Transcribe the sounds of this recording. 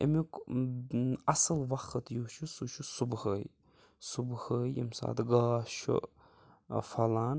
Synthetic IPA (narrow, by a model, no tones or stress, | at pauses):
ḛmuk | ɐsəlʋɐxət̪juʃʰusuʃʰusubhəj | subhəjḭmsa̰ːt̪ɡaːʃṵ | fɐlaːn